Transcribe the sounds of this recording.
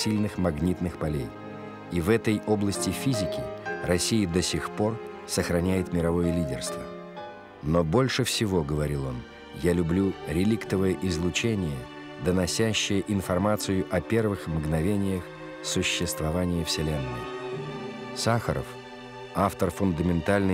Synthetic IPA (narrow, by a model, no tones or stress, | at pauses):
sʲilʲnɨxmɐɡnʲit̪nɨxpɐlʲej | ivɛt̪əjo̞blˠəsʲtʲɪfʲizʲɪkʲɪɾɐsʲijəd̪əsʲɪxpo̞r | səxɾɐnʲæjɪt̪mʲɪɾɐvo̞jəlʲidʲɪ̰rst̪və | nobo̞lʲʂɨfsʲɪvo̞ɡəvɐɾʲilˠo̞n | jalʲʊblʲuɾʲɪlʲikt̪əvəjəʔɪzlˠʊt͡ɕenʲɪjə | d̪ənɐsʲæɕːɪjəʔɪnfɐrmat̪sɨjʊʔɐpʲe̞rvɨxmɡnɐvʲenʲɪjəx | sʊɕːɪst̪vɐvanʲɪjəfsʲɪlʲenːəə | saxə̰ɾə̰f | aft̪ərfʊnd̪əmʲɪnt̪alʲnə